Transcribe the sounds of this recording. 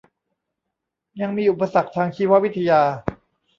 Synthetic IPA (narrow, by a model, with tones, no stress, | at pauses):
ja˧ŋmiː˧ʔu˨˩pa˧sa˨˩k̚t̪ʰaː˧ŋt͡ɕʰiː˧wa˦˥ʔwi˦˥t̪ʰːa˧jaː˧